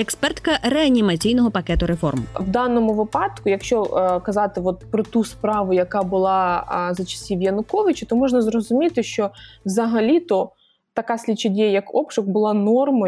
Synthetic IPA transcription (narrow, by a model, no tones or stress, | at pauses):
ɛkspɛrt̪kɐɾɛɐnʲimɐt͡sʲijnɔɦɔpɐkɛt̪ʊɾefɔ̰rmʋd̪ɑnɔmʊʋɪpɑd̪kʊjɐkʃt͡ʃɔkɐzɑt̪ɪʋɔt̪̚pɾɔt̪uspɾɑʋʊjɐkɑbʊlˠɑzɐt͡ʃɐ̥sʲiʋjɐnʊkɔʋɪt͡ʃʊt̪ɔmɔʒnɐzɾɔzʊmʲit̪ɪʃt͡ʃɔwzɐɦɐlʲit̪ɔ | t̪ɐkɑsʲlʲit͡ʃːɪdʲejjɐkɔpʃʊkbʊlˠɑnɔrmɐ